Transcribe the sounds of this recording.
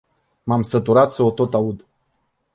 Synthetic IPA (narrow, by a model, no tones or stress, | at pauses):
mamsət̪uɾat̪səot̪o̞t̪aud̪